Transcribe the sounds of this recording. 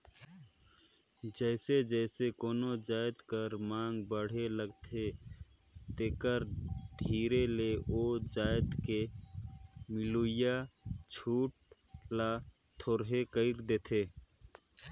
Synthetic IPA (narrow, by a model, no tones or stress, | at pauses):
d͡ʒəɪsed͡ʒəɪsekoːnod͡ʒaːɪd̪kəɾmaːŋɡbəɽ̤eləɡt̪ʰe | t̪eːkəɾɖʱiːɾeleod͡ʒaːjɪd̪ke | mɪluɪjat͡ʃʰuːʈ̚la | t̪ʰoːɾɦekəɪɾd̪eːt̪ʰe